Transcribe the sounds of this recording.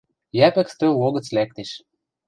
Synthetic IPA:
jæpɘ̆kst̪øloɣə̆t͡slæk̚t̪eʃ

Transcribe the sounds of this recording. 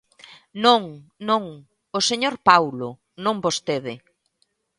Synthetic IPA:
nõŋnõŋ | oseɲoɾpawlʊ | nõŋbost̪eðɪ

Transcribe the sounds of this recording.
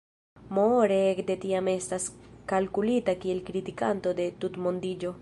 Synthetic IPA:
moɾeekde̞tiame̞staskalkulitakie̞lkɾitikanto̞de̞tutmo̞ndid͡ʒo̞

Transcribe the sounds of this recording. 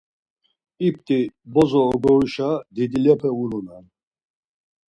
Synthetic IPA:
ipʰt̪ʼibɔzɔːɡɔiʃad̪id̪ilɛpʰɛulunan

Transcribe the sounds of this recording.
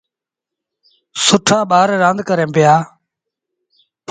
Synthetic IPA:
sʊʈʰaːɓaːɾːãːnd̪kəɾẽːpɪjaː | p

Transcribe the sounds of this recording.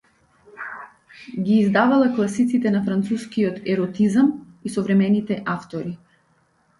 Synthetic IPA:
ɡʲiːzd̪avalɛklˠasit̪sit̪ɛnafɾant̪suskiɔt̪ɛɾɔt̪izamisɔvɾɛmɛnit̪ɛʔaft̪ɔɾi

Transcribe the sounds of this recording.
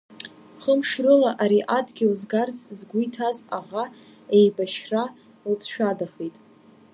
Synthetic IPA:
χəmʂrɨlaʔaɾiʔadɡʲɪlzɡart͡sʼzɡʷujtʰazaʁa | ejbaʃra | lt͡sʼʰʃᶣadaχejtʼ

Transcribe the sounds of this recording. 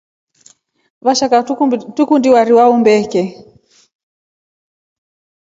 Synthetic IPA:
βaʃakatukundiwaɾiwaumbɛkɛ

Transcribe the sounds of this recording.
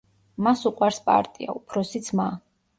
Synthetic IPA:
masuqʼwaɾspʼa̰ɾt̪ʼia̰upʰɾɔsit̪sʰma

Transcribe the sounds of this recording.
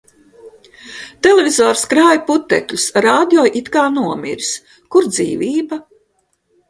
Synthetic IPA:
t̪ɛlevʲizɔːɾskɾaːjput̪ːɛ̰klʲusɾaːd̪ʲjɔːjʔit̪kaːnuɔmḭɾis | kuɾd̪zḭːvʲiːba

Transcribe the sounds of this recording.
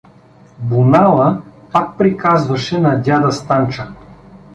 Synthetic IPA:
bunalˠəpak̚pɾikazvɐʃɛnɐd̪ʲad̪ɐst̪ant͡ʃə

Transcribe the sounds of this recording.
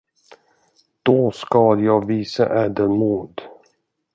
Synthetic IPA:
d̪̥ɔskɑjɑːɡviːsa̰ʔɛːd̪ənmuːd̪

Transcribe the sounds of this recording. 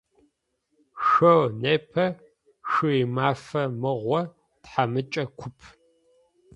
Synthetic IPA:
ʃɐwneːpʰɐ | ʃɨimaːfɐmɨʁʷɔ | tħamɨt͡ʃʼɐkʷʰʊpʰ

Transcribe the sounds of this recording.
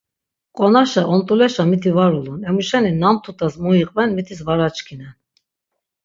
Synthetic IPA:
qʼɔnaʃaʔɔnt̪ʼulɛʃamit̪ʰivaɾulunɛmuʃɛninamt̪ʰut̪ʰʼasmujiqʼvɛnmit̪ʰisvaɾat͡ʃkʰinɛn

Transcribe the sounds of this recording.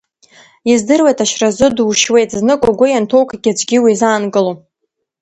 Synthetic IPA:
jazdɨrwejtʰʼaʃrazɨduʃwe̞jtʰʼznɨkʷʼaɡʷʊjantʰo̞wkʰʼaɡʲad͡ʒɡʲiwizaːnɡʼɨlo

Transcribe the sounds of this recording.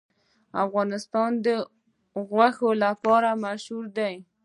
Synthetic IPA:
afɣɑnɪst̪ɑnd̪ə | ɣwaxolapɑɾamaʃhuɾd̪aj

